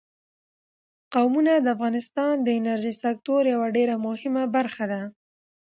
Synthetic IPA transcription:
qawmunad̪əafɣɑnɪst̪ɑnd̪əɪnaɾʒisak̚t̪oɾjawaɖeɾamʊhɪmabaɾxad̪a

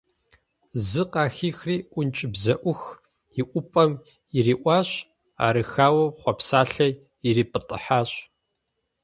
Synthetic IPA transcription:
zɨqɑːxiːxriːʔʷʊnt͡ʃʼɪbzɐʔʷʊx | iʔʷʊpʼɐm | iriːʔʷɑːɕ | a̰ːɾɨxaːwɐχʷɔpsaːɬɐ | iriːpʼɨtʼə̰ħaːɕʼ

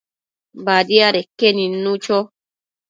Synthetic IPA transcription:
bad̪iaɾekːenĩnːũt͡ʃɔ

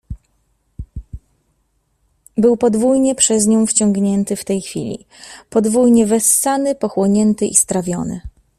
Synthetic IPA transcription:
bɘwpɔd̪vujɲɛpʂɛzɲɔ̃w̃ft͡ɕɔŋɡɲɛnt̪ɘft̪ɛjxfʲḭlʲḭ | pɔd̪vujɲɛvɛsːanɘpɔxwɔɲɛnt̪ɘʔist̪ɾavʲjɔnɘ̰

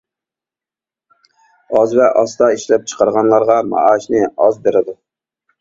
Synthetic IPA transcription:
ɑzvɛʔɑst̪ɑiʃlɛp̚t͡ʃʰə̥qʰɑɾʁɑnlˠɑɾʁɑmɑ̰ʔɑʃnɪɑzbeɾɪd̪u

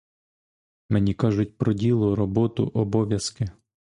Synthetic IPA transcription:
menʲikɑʒʊtʲpɾɔdʲilˠʊɾɔbɔt̪ʊ̰ʔɔbɔʋʲjɐskɪ

